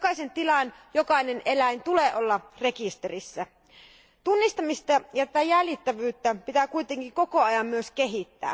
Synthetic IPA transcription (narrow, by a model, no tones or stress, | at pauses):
okɑisent̪ilɑnjokɑine̞nʔe̞læjnt̪uleːʔo̞lːɑre̞kist̪eɾisːæ | t̪unːist̪ɑmist̪ɑjɑt̪æt̪æjælit̪ːæʋyːt̪ːæpit̪ækujt̪eŋkiŋko̞ko̞ɑjɑmːyøske̞ɦit̪ːæ̰ː